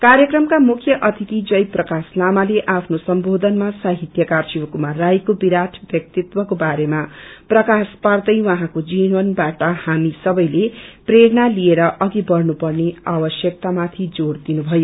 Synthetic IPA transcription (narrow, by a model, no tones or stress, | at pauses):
kaɾjʌkrʌmkamukʰjʌʔʌt̪ʰit̪id͡zʌjprʌkaslamaleʔapʰnosʌmbod̪ʱʌnmasaɦit̪jʌkarsibkumarajkobiɾaʈʰbjʌk̚t̪it̪wʌkobaɾemaprʌkaspard̪ʌjwʌɦãkod͡zinwʌnbaʈʌhamisʌbʌjlepreɾʌnalieɾʌʔʌɡibʌɾnupʌrneabʌsjʌk̚t̪amat̪ʰid͡zoɽd̪inubʱʌjo